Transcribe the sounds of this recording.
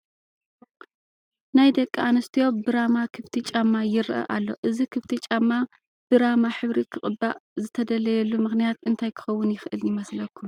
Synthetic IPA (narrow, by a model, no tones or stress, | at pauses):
najd̪ɐkʼːianɐst̪ʰijo̞bɨɾamakʰɨβt̪ʰit͡ʃʼamːajɪɾʔɐ̰ʔa̰lːo̞̰ʔɨzikʰɨβt̪ʰit͡ʃʼamːa | b̥ɨɾamaħɨβɾikʰɨχʼɨbːaʔzɨt̪ʰɐd̪ɐlɐjɛlːumɨxnijat̪ʔɨnt̪ʰajkʰɨ̥xɐwːʊnjɪxʔɨljɪmɐslɐkʰːum